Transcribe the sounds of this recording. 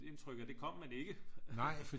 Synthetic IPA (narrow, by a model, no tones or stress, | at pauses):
e̝nt͡sʰʁœɡ̥æd̥e̝kʰɒ̽m̰ːæne̝ɡ̥ənɑɪ̰fɒ̥